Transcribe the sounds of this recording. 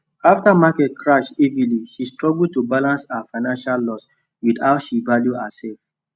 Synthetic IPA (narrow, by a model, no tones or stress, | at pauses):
aftamakɛtkʰɹaʃiviliʃistɹɔɡld̚tubalãnsaafaɪnãnʃalːɔs | widaʊtʃivaljuasɛlf